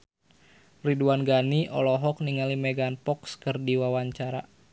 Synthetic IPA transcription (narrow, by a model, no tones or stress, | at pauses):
riduwanɡaniʔɔ̰lɔɦɔk̚niŋalimɛɡanpɔkskɨrdiwawaɲt͡ʃaɾa̰